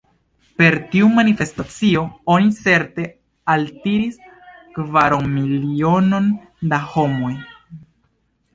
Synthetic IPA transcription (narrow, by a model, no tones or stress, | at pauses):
pe̞ɾtiumanife̞stat͡sio̞onit͡se̞ɾte̞ | altiɾis | kvaɾoŋmilio̞no̞n | daho̞mo̞j